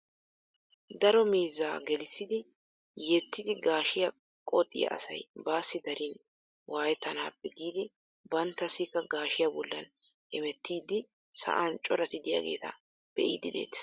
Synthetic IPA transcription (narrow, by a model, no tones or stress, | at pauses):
d̪ɐɾɔmiːzːaːɡɛlɪsːɪd̪ɪ | jɛt̪ːɪd̪ɪɡaːʃɪjɐ | kʼɔt̪ʼːɪ̰jɐ̰ʔɐ̰sɐ̰jbaːsːɪd̪ɐɾɪn | waːjɛt̪ːɐna̰ːpːɛɡiːd̪ɪ | bɐnt̪ːɐsɪkːɐɡaːʃɪjabɔlːɐnʔɛmɛt̪ːiːd̪ɪ | sɐ̰ʔɐnt͡ʃʼɔɾɐt̪ɪd̪ɪja̰ɡe̞̰ːt̪ɐ̰ | b̥ɛʔiːd̪ɪd̪ḛːt̪ːɛ̥